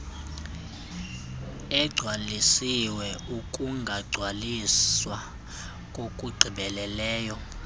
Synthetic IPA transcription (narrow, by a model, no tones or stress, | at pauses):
ɛɡ͡ǀʱwalisiwɛukʼuŋɡʱaɡ͡ǀʱwaliswa | kʼokʼuɡ͡ǀʱiɓɛlɛlɛːjɔ